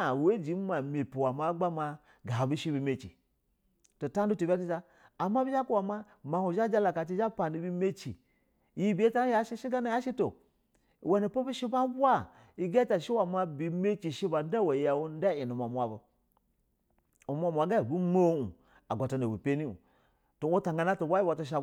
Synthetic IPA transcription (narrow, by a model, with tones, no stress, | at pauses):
we˦d͡ʒi˨˦ma˨me˨pi˨wa˨ma˦ɡ͡ba˦ma˨ | ɡa˨bu˦ʃi˦bi˨˦me˦t͡ʃḭ˨ | to˨ta˦n˦du˦to˨bʲa˦ti˦d͡ʒa˦ | a˨ma˦bi˦ʒa˦ku˦wa˨ma˦ | ma˨hu˨ʒa˦d͡ʒa˦la˨ka˨t͡ʃi˦ʒa˦pa˨ni˨bi˦me˦t͡ʃḭ˨ | ji˦bʲe˦ta˦ja˦ʃi˦ʃi˦ɡa˦na˨ja˦ʃi˦to˨ | we˨ni˨po˦bu˦ʃi˦ba˦bu˦a˦ | i˨ɡa˦ta˨ʃi˦wa˨ma˦bi˨me˦t͡ʃi˨ʃi˦ba˨n˦da˦wa˨ja˨wu˦n˦da˦i˨nu˨ma˨mʷ˨a˨bə˨ | u˨mʷ˦a˦˨mʷ˨a˨ɡa˦i˨bu˦mo˦ṵ˨ | a̰˨ɡʷa˨ta˨na˨wu˨pe˦ni˦ṵ˨ | to˨wu˦ta˨ŋɡa˦na˦to˨wa˦i˦wa˨ta˦ʃ̬a˦